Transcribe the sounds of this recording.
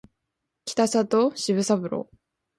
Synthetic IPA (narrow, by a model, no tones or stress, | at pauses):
kʲi̥t̪asat̪oɕiβɯ̟sabɯ̟ɾo̰